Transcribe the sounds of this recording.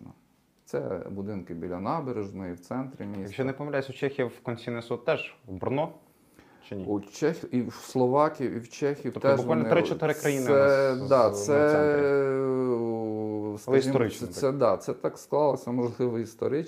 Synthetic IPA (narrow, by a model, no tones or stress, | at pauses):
nɔ | t̪sɛ̰bʊd̪ɪnkɪbʲilʲːɐnɑbeɾeʒnɔjiwt̪sɛnt̪ɾɪmʲisjɐkʃt͡ʃɔnepɔmɐʋlʲajesʲʊt͡ʃɛxʲijɐwkɔnʲsʲinɪsɔt̪̚t̪ɛʒʋbrnɔ | t͡ʃɪiut͡ʃɛxʲislˠɔʋɑkʲiwiwt͡ʃɛxʲiɔt̪ɛʒbʊalnt̪ɾɪt͡ʃɔt̪ɪɾɪkɾɐjinɪɛd̪ɑsɛ | skɐsʒiɔɾɪɛɛd̪ɑt̪sɛt̪ɑksklˠɑlˠɔsʲɐmɔʒlˠɪʋɔist̪ɔ̰ɾɪ